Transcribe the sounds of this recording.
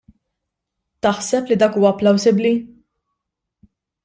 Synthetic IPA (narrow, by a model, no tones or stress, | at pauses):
t̪ɐħsɛplid̪ɐːkuːwɐpːlɐwsɪbli